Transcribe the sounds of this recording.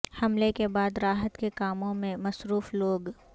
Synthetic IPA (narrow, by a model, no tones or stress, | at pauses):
hɐmlekebaːd̪ɾaːɦət̪kekaːmõmẽmɐsɾuːfloːɡ